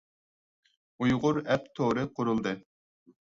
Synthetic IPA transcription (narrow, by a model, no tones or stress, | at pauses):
ujʁʊɾɛpt̪ʰoɾɨqʰʊɾulˠd̪ɨ